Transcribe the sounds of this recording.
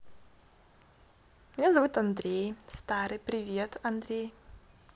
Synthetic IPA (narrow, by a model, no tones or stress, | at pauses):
mʲnʲazɐvut̪ɐnd̪ɾʲejst̪aɾɨjpɾʲɪvʲet̪ɐnd̪ɾʲej